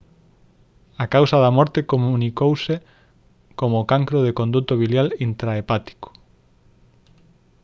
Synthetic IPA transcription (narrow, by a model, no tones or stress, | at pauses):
akawsɐðɐmɔɾt̪ekomunikowse | komʊkaŋkɾʊð̞ekond̪ut̪oβiljalint̪ɾaepat̪i̥ko̥